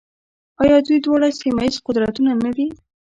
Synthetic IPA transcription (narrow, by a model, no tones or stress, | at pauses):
ɑjɑd̪ujd̪wɑɽasimaizqʊd̪ɾat̪unanad̪i